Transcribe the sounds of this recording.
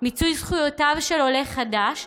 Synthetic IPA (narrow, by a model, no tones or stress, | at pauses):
mit͡sujzχujotavʃelole̞χadaʃ